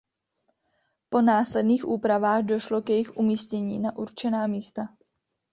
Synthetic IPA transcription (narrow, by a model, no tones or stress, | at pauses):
po̞naːslɛdniːxʔuːpɾavaːɣdo̞ʃlo̞kjɛjɪxʔumiːscɛɲḭːnaʔuɾt͡ʃɛnaːmiːst̪a